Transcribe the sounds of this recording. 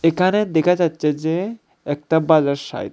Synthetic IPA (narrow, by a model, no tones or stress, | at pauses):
ekʰaned̪ɛkʰad͡ʑatːɕʰed͡ʑe | ɛk̚ʈabad͡ʑaɾʃa̰ḭ